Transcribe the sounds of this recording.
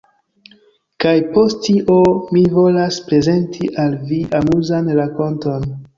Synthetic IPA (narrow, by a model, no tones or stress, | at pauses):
kajpo̞sttiʔomivo̞laspɾe̞ze̞ntʰiʔalviʔamuzanɾako̞nto̞n